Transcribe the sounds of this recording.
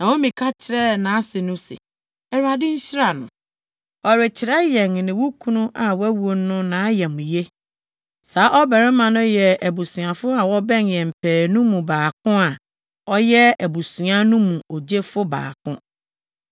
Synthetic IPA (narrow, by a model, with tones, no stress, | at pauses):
nã˨wɔ̃˦mĩ˨kʰa˦t͡ɕʰɪ˨ɾɛ˦nãː˨a˦sɪ˨nʊ̃˦sɪ̰˨ | ɛ˨ɾa˨dɪ̃˦ɲ̩˦ɕɪ˦ɾa˨nʊ̰̃˨ | ɔ˨ɾɪ˨t͡ɕʰɪ˨ɾɛ˦jɛ˨ŋ˨nɪ̃˨wu˦kʰũ˦nũ˦ʔa˨wæ˦wu˨o˨˦nʊ̃˦nãː˨˦jɛ˨mũ˨je˦ | saː˨˦ʔɔ˦bɛ˨ɾɪ˦mã˨nʊ̃˦jɛ˨ʔæ˨bu˨sũ˨ã˨fʊ˦a˨wɔ˦bɛ̃˦njɛ̃˨m̩˨pʰɛː˨nũ˦mũ˨baː˨kʰʊ̃˦a˨ | ɔ˦jɛ˦æ˨bu˨su˨a˦nũ˦mũ˨ʔɔ˨d͡ʑe˦fʊ˦ba̰ː˨kʰʊ̰̃˦